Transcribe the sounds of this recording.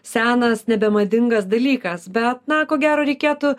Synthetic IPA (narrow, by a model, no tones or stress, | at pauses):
sʲæːnɐsnʲɛbʲɛmɐd̪ʲɪŋɡɐsd̪ɐlʲiːkɐsbʲɛt̪nɐkoːɡʲæːɾoːɾʲɛɪkʲeːt̪ʊ